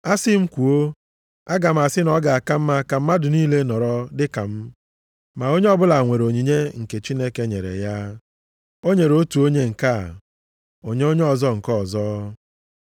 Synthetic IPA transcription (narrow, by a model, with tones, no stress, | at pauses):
a˦sɪ˦m̩˦kʷu˨o˦ | a˦ɡa˨m̩˨a˨sɪ˦nɔ˦ɡa˨a˨ka˦m̩˦ma˦ka˨m̩˦ma˦dʊ˨niː˦le˦nɔ˨ɾɔ˦dɪ˦ka˨m̩˦ | ma˨o˦ɲe˦ɔ˦bʊ˦la˨ŋʷe˨ɾo˨ɲi˨ɲe˦ŋ̩˨ke˨t͡ʃi˦ne˦ke˦ɲe˨ɾḛ˨ja˦ | o˦ɲe˨ɾo˦tu˨o˦ɲe˦ŋ̩˨ka˦˨ | o˨ɲe˦o˦ɲe˦ɔ˨zɔ˦ŋ̩˨kɔ˦˨zɔ˦